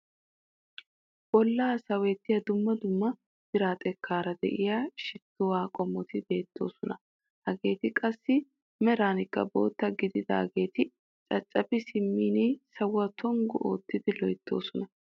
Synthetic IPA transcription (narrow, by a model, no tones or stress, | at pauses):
b̥ɔlːaːsɐweːt̪ːɪjɐd̪ʊmːɐd̪ʊmːɐ | b̥ɪɾaːt̪ʼɛkʰːaːɾɐd̪ɛ̰ʔɪjaʃɪt̪ːʊwaːkʼɔmːɔt̪ɪbe̞ːt̪ːo̞̰ːsɔnɐ | hɐɡe̞ːt̪ɪkʼɐsːɪ | mɛɾaːnɪkːɐ̰bo̞̰ːt̪ːɐɡɪd̪ɪd̪a̰ːɡe̞ːt̪ɪ | t͡ʃʼɐt͡ʃʼːɐbɪsɪmːiːniːsɐwːɐt̪ʰɔŋɡʊʔo̰ːt̪ːɪd̪ɪlɔjt̪ːo̞̰ːsɔnɐ